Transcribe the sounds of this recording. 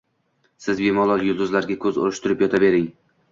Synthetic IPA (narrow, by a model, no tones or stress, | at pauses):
sɪzbemɒlˠɒlˠjʊlˠd̪ʊzlaɾɡʲakʰɵzʊ̰ɾɪʃt̪ʊɾɪpjɒt̪ʰabe̞ɾɪŋ